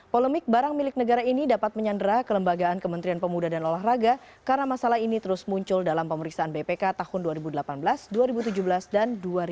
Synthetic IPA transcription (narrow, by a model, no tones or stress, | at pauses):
polɛmɪk̚baɾaŋmilɪk̚nəɡaɾainidapat̪̚məɲandəɾakələmbaɡaːnkəmənt̪ɾianpəmudadanolaɦraɡa | kaɾənamasalaɦinit̪əɾʊsmuɲt͡ʃʊldalampəməɾiksaanbepekat̪ahʊnduaɾibudəlapanbəlasduaɾibut̪̬ud͡ʒubəlasdanduaɾ